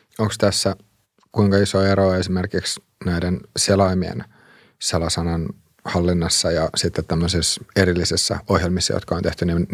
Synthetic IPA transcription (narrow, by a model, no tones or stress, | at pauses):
oŋkst̪æsːæ | kuiŋkɑisoeɾoesimerkiks | næidenselɑimiḛn | selɑsɑnɑn | hɑlːinːɑsːɑjɑsit̪ːet̪t̪æmːøsiseɾilːisisːæ̰ohjelmisːɑjo̰t̪kɑont̪eht̪ynin